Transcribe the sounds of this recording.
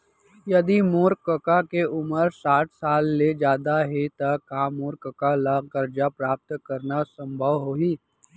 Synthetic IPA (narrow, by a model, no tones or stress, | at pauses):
jɐd̪imoːɾkəkakeʊməɾsaːʈʰsaːlːed͡ʒjaːd̪aɦet̪ɐkaːmoːɾkəkalaɡəɾd͡ʒapɾaːp̚t̪kɐɾnasɐ̃mbʱəʋɦoːiː